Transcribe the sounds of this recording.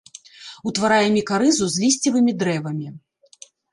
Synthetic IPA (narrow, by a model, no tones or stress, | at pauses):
ut̪vaɾajɛmʲikaɾɨzuzʲlʲisʲt͡sʲivɨmʲid̪ɾɛvɐmʲi